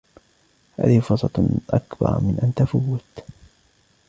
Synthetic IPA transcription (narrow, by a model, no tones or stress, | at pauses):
ha̰ːðɪhfʊsˤɑt̪ʔakbɑ̰ɾˤmɪnʔant̪afawːɪt̪